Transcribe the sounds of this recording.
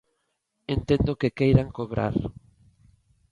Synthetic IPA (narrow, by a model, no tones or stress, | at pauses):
ent̪ẽnd̪okekejɾaŋkoβɾa̰ɾ